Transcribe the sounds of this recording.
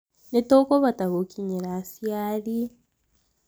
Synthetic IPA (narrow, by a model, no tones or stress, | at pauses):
netokoβataβokʰiɲeɾasijaɾi